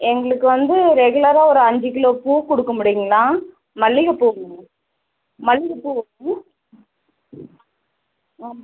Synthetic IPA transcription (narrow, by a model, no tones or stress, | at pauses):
ɛŋɡɐɭɯkːɯʋɐnd̪ɯɾɛɣɯɭɐɾaːɔɾɯɐɲd͡ʒɯkɪloːpuːkɔɽɯkːɐmʊɽɪjɯŋɡɐlãː | mɐɭːɪɣɐpuːŋɐɐ | mɐɭːɪɣɐpuːʋɐ | aː